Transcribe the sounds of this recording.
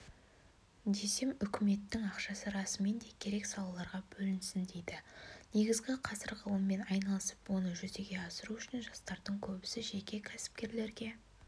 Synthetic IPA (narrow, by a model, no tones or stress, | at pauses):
d̪e̞se̞mʏkʲɪme̞t̪ːɪŋɑqʃɑsəɾɑsəme̞nd̪e̞kʲʰe̞ɾe̞ksɑlˠɑlˠɑɾʁɑbɵlɪnsɪnd̪e̞jd̪ɪne̞ɡʲɪzɡʲɪqʰɑsəɾʁʰəlˠəmːe̞nɑjnɑlˠəsə̥pwo̞nəʒʏze̞ɡʲe̞ɑsəɾuʏʃɪnʒɑst̪ɑɾd̪əɴkʲʰɵbɪsɪʒe̞kʲe̞kʲʰæsɪ̥p̚kʲe̞ɾle̞ɾɡʲe̞